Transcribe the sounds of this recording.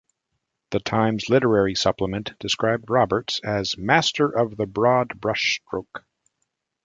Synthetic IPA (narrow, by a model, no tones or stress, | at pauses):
ðɨtʰãɪ̃mzlɪɾə˞ɛɹisʌpləmɨ̃nd̥ɨskɹaɪb̚d̚ɹɑbə˞tsɨzmæstʰə˞ʔʌvðəbɹɔd̚bɹʌʃstɹ̥oʊk